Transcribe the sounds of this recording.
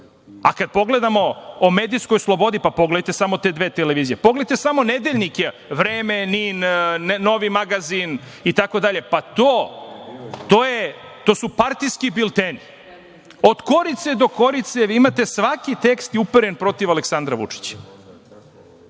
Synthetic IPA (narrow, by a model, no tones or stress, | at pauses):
a̰kad̪̚po̞ɡle̞d̪amo̞ːme̞ːd̪isko̞jslˠobo̞d̪ipapoɡled̪jt̪e̞samo̞t̪e̞d̪ʋe̞ːt̪eleʋiːzijepo̞ɡlet̪esamo̞ned̪eʎnike | ʋɾeːmeninnno̞ʋimaɡazin | it̪ako̞d̪aʎe̞pat̪oː | t̪oːjet̪osupaɾt̪iskibilt̪eni | o̞d̪ko̞ɾit̪sed̪o̞ko̞ɾit̪seimat̪e̞sʋakit̪e̞kst̪iupeɾenpɾo̞t̪iʋaleksand̪ɾaʋṵt͡ʂi̥t͡ɕḁ